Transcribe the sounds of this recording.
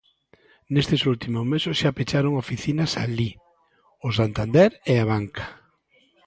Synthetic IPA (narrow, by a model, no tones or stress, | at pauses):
nest̪ɪsult̪imʊzmesosʃapet͡ʃaɾoŋofiθinasali | ʊs̬ant̪and̪eɾɛaβ̞aŋkḁ